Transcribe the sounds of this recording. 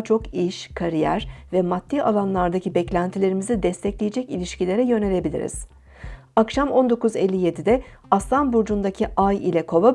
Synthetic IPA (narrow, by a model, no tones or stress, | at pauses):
t͡ʃʰo̞kiʃkʰaɾijæɾvɛmat̪ʰːiːalˠanlˠaɾd̪acʰibɛclʲænt̪ʰilʲe̞ɾimizid̪ɛst̪ʰɛclʲijed͡ʒɛcilʲiʃcilʲe̞ɾɛjø̞ne̞ɾe̞bilʲḭɾḭz̥ | akʃamo̞nd̪o̞kuzelʲːije̞d̪id̪ɛaslˠanbuɾd͡ʒund̪acʰiʔajḭlʲɛkʰova